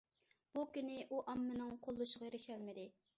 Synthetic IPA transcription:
b̥ukʲynɪʔuʔɑmːɨnɨŋqʰolˠːuʃəʁɑjɾɪʃɛlmɪd̪ɪ

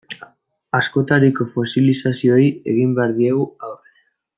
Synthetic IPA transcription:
askot̪aɾikofosilisasjojḛɣimbaɾðiewaoβe

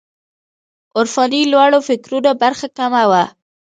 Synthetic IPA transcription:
ʊɾfɑnilwaɽofɪkɾunabaɾxakamawa

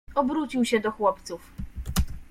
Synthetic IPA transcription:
ɔbɾut͡ɕiwɕɛd̪ɔxwɔpt̪suf

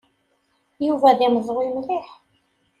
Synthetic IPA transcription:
juvæðiməzˤʁimliħ

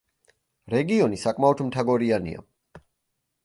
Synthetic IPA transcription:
ɾɛɡiɔnisakʼmaɔt̪ʰmt̪ʰaɡɔɾianḭa̰

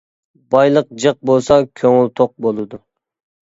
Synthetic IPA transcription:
bɑjlˠəq̚d͡ʒəq̚bolˠsɑkʲʰøŋylt̪ʰoq̚bolˠɨd̪u

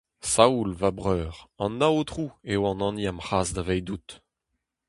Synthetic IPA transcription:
saulvabʁœːʁɑ̃nːaot̪ʁuewɑ̃nɑ̃niamχaːzd̪avɛjd̪ut̪

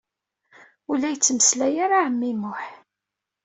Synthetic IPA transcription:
ulːæjət͡sːməslæjaɾaʕəmːimʊħ

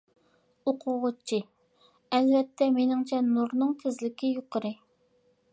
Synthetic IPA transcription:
oqʰʊʁʊt͡ʃʰːi | ɛlvɛt̪ʰːɛmenɪŋt͡ʃʰɛnuɾnɨŋt̪ʰɪzlɪkʲɪjoqʰəɾɨ

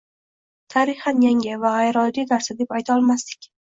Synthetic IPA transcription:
t̪ʰaɾɪhanjaŋʲɪvaajɾɒld̪id̪aɾsad̪epajt̪ʰaɒlˠmast̪ɪ̥kʲ

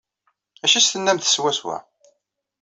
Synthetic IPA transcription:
æʃist̪ənːæmθə̥swæswæ̰

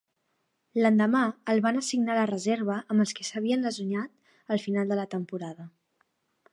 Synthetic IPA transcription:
lənd̪əmaəlˠβanəsiɡnalərəzeɾβ̞əʔəmbəlˠskəsəβ̞iənləzuɲat̪̚ | əlˠfinalˠd̪ələt̪əmpuɾaðə

